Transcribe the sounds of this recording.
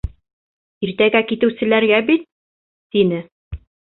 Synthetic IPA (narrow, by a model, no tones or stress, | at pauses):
iɾt̪æɡækit̪ɘ̆wsɘ̆læɾɡæbit̪ː | inɘ